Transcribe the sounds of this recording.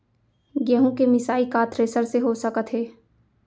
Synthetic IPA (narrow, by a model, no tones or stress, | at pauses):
ɡəɦũkemɪsaːikaːt̪ʰɾeːsəɾseɦosəkət̪ɦɛː